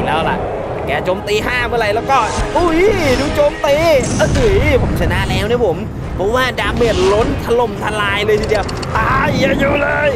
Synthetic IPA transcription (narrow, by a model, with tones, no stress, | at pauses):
lɛː˦˥wla̰˨˩ʔ | kɛː˧˩t͡ɕoː˧mt̪iː˧ɦaː˥˩mɯ˧˥˩ɾa˧jlɛː˦˥wkɔː˥˩ʔu˧˩duː˧˩t͡ɕoː˧mt̪iː˧ʔə˧˩ʔɯ˧˩pʰo˩˦mt͡ɕʰa˧na˦˥ʔlɛː˦˥wnɛ˧˥˩pʰo˩˦m | pʰɔ˦˥waː˥˩daː˧mːe˨˩t̪̚lo˦˥nt̪ʰa˧lo˨˩mt̪ʰa˧laː˧jlɤː˧t̪ʰiː˧˩di˧əw | t̪aː˧˩ja˧˩juː˧˩lɤː˧j